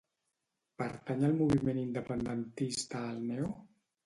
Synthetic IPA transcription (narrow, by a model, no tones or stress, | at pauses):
pəɾt̪aɲəlˠmuβ̞imenind̪əpənd̪ənt̪ist̪aːlˠnɛw